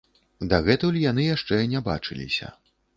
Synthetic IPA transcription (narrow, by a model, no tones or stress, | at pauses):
d̪aɣɛt̪ɐulʲjan̪ɨjaʂt͡ʂɛnʲaba̰t͡ʂɨlʲḭsʲɐ̰